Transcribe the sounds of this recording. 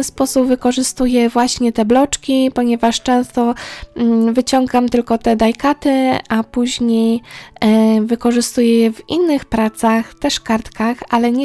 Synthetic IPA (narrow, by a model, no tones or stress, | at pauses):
spɔsubvɘkɔʐɘst̪ujɛvwaɕɲɛt̪ɛblɔt͡ʂkʲipɔɲɛvaʂt͡ʂɛ̃w̃st̪ɔ | vɘt͡ɕɔŋɡamt̪ɘlkɔt̪ɛd̪ajkat̪ɘapuʑɲej | vɘkɔʐɘst̪ujɛjɛvinːɘxpɾat̪saxt̪ɛʂkaɾt̪kaxalɛɲɛ